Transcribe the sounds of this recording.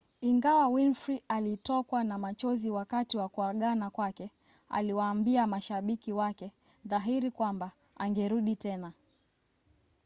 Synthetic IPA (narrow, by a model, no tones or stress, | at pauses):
iŋɡawawinfɾiʔalitɔkwanamat͡ʃɔziwakatiwakuaɠanakwakɛ | a̰liwaːmbiamaʃaɓikiwakɛ | ðaɦiɾikwamba | aŋɡɛɾuɗitɛna